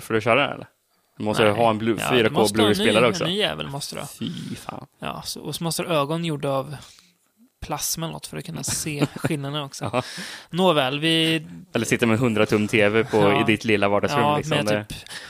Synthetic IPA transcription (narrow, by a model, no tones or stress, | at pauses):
fɔɖɵɕœːɾaɛ̰ɛ̰lːə̰ɾ | d̪ɵmɔst̪əɾɦaɛnbluːffyːɾakmʰoːbluːɪnspeːlaɾəɔknɔ̰ːyːjɛ̰ːvə̰lmɔst̪əɾə̰fḭfɑ̰ːnjɑ̰ːsɔɔsɔmɔst̪əɾøːɡɔnjuɖːaːv | pʰlasːmɛnnɔ̰t̪ːfœɾɔkʰɵnːaseːɧɪlnad̪ənɔksɔnoːvɛːlvɪɛlːəsɪt̪ːəɾmɛnɦɵnd̪ɾat̪ʰɵmːt̪ʰeːvɛpʰɔɪd̪ɪt̪ʰlɪlːavɑːɖɑɡsɾɵːɪksɔmd̪ɛːp